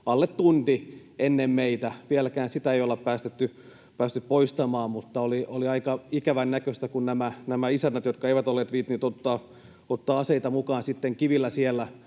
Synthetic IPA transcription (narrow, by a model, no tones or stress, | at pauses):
ɑlːet̪t̪unt̪i | enːemmeit̪æʋielækæːnsit̪æeijolːeppæːst̪et̪ːy | pæːst̪yppoist̪ɑmɑːmmut̪ːɑolioliɑikɑikæʋænnækøst̪ækunnæmænæmæisænːæt̪jot̪kɑeiʋæt̪olːeːt̪ʋiːt̪ːniːt̪ot̪ːɑː | ot̪ːɑːɑseit̪ɑmukɑːnsit̪ːeŋkiʋilːæsielːæ